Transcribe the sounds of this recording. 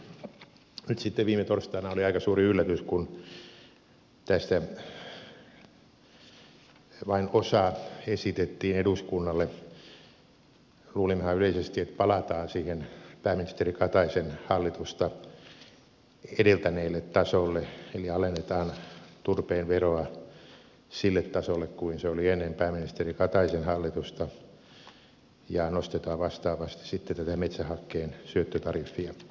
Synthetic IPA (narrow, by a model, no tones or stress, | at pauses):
nyt̪sit̪ːeʋiːmet̪orst̪ɑːnɑoliɑikɑsuːriylːæt̪yskun | t̪æst̪æ | ʋɑinosɑesit̪et̪ːiːneduskunːɑlːe | luːlimhɑyleisest̪iet̪pɑlɑt̪ɑːnsiːhenpæːminist̪erikɑt̪ɑisenhɑlːit̪ust̪ɑ | edelt̪æneːlːet̪tɑsolːeeliɑlenːet̪ɑːnt̪urpeːnʋeroɑ | silːet̪ːɑsolːekkuinseolienːempæːminist̪erikɑt̪ɑisenhɑlːit̪ust̪ɑ | jɑnost̪et̪ɑːʋʋɑst̪ɑːʋɑst̪i̥sit̪ːet̪æt̪æmet̪sæhɑkːeːnsyøt̪ːøt̪ɑrifːiɑ